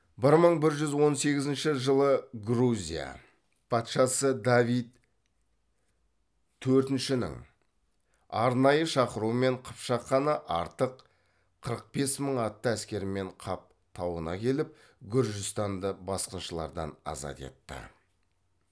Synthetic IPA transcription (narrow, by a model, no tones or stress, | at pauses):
bɪɾməɴbɪɾʒʏzwo̞nse̞ɡʲɪzɪnʃɪʒəlˠəɡruzʲḭja̰ | pʰɑt̪ʃɑsəd̪avijt̪ | t̪ʰːɵɾt̪ɪnʃɪnɪ̰ŋ | ɑɾnɑjəʃɑqəɾuəme̞ɴqʰə̥pʃɑqːɑnəʔɑ̰ɾt̪əqʰ | əɾəq̚b̥e̞sməɴɑt̪ːəæskʲe̞ɾɪme̞ɴqʰɑp̚ | t̪ʰɑwənɑ̰kʲʰe̞lɪp̚ | ɡʲʊɾʒɪst̪ɑnd̪əbɑsqənʃəlˠɑ̰ɾd̪ɑ̰nɑ̰zɑ̰t̪e̞̰t̪ːə̰